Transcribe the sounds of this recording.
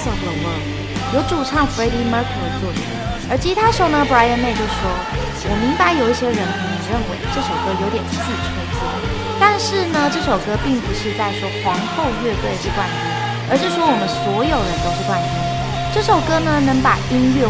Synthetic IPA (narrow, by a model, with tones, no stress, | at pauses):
so˨˩lə˧˩wə˧˥ | jo˧˥ʊʈ͡ʂu˨˩ʈ͡ʂʰɑ˥˩ŋfe˥ɪli˥mə˥kʰə˨˩ə˧t͡swɔ˥˩pʰḭ˨˩nə˞˧˥t͡ɕʰi˧˥t̪ʰa˥ʂə˧˥ʊnə˧bɹa˥ɪə˥˧nme˥˧ɪt͡ɕjo˥˧ʊʂ̩˥˩ʂwɔ˥ | wɔ˨˩mi˧˥ŋpa˧ɪjo˨˩ʊi˥˩ɕjɛ˥ɻə˧˥nkʰə˧˥ni˨˩ɻə˥˩nwe˧˥ɪʈ͡ʂɤ˥˩ʂo˨˩ʊkɤ˥jo˧˥ʊt̪jɛ˨˩nt͡sɹ̩˥˩ʈ͡ʂʰə˧˥nt͡swɔ̰˥˩ | t̪a˥˧nʂɻ̩˥˩nə˧ʈ͡ʂɤ˥˩ʂo˨˩ʊkɤ˥pi˥˩ŋpu˨˧˥ʂɻ̩˥˧t͡sa˥˩ɪʂwɔ˥xwɑ˧˥ŋxo˥˧ʊɥɛ˥˧kɤ˥˧˩t͡ɕʰi˥˧t̪wa˥˩ni˧˥˩ | ə˞˧˥ʂ̬ɻ̩˥˩ʂwɔ˥wɔ˨˩mə˦nswɔ˧˥jo˨˩ʊɻə˧˦nt̪o˥ʊʂɻ̩˥˧t̪wa˥˩ni˧˩˥ | ʈ͡ʂɤ˥˩ʂo˨˩ʊkɤ˥nə˧nə˧˥ŋpa˨˩i˥nɥɛ˥˩